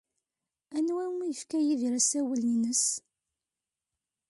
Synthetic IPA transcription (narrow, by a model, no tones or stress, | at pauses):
ænwæmijəfkæjiðɾæsæwəlinəs